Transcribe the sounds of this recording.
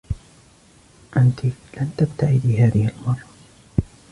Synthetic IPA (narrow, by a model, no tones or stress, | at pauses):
ʔant̪ilant̪abt̪aʕɪd̪ɪɦaːðɪhɪlmɑrˤːɑ